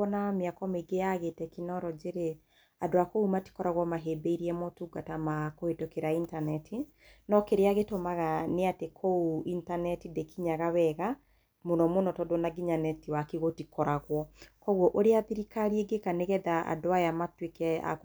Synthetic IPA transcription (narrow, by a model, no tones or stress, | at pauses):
ɔnameakɔmeɡeaɣetɛkinɔɾɔd͡ʒeɾe | adoakoumati̥kɔɾaɣwɔmaɦeːbeiɾiɛmɔtuɡatamakohetokeɾaintanɛtʰi | nɔkeɾeaɣetomaɣaneatekʰouintanɛtidekiɲaɣawɛɣa | monɔmonɔtɔdonaɡiɲanɛtiwakiɣotikɔɾaɣwɔkɔɣwɔʔoɾeaðiɾikaɾieɡekaneɣɛðaa̰doajamatwekɛa̰k